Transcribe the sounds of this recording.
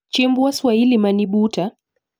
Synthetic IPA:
t͡ʃembuaswailimaniɓuta

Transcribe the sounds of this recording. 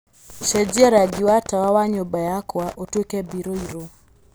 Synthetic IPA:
ʃɛd͡ʒaɾaɡɪwatawawaɲobajakwaʔotwekɛbiɾoiɾo

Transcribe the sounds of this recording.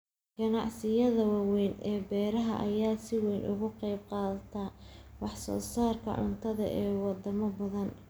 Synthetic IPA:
ɡ̥ɐnɑ̰ʕsɪjɐðɐwɑwɛjnɛːbɛːɾɐɦɐ̰ʔɐjaːsɪwɛjnʔʊɣʊqɑjb̚qɑːðɐt̪ʰɐwɑħsɔ̰ːsaːrkʰɐ̰ʕʊ̰nt̪ʰɐðɐ̰ʔɛːwɑd̪ɐmɐbɐðɐn

